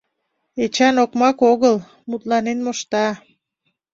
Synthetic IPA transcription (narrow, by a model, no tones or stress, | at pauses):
et͡ɕɑnokmɑkoɣəl | mut̪lɑnenmoʃt̪ɑ